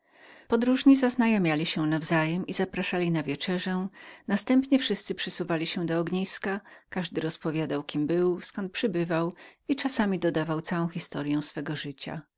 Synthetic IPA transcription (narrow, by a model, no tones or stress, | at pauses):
pɔd̪ɾuʐɲizaznajɔmʲjalʲiɕɛnavzajɛmizapɾaʂalʲinavʲjɛt͡ʂɛʐɛnast̪ɛmpɲɛfʂɘst̪sɘpʂɘsuvalʲiɕɛd̪ɔɔɡɲijskakaʐd̪ɘɾɔspɔvʲjad̪awkʲimbɘwskɔnt̪̚pʂɘbɘvawit͡ʂasamʲid̪ɔd̪avawt̪sawɔ̃w̃xʲist̪ɔɾjɛ̃w̃sfɛɡɔʐɘt͡ɕa̰